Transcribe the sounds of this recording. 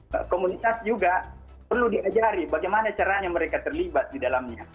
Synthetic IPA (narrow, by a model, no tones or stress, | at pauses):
komunit̪asd͡ʒuɡa | pərludiad͡ʒaɾibaɡajmanat͡ʃaɾaɲaməɾekat̪ərlibat̪̚didalamɲa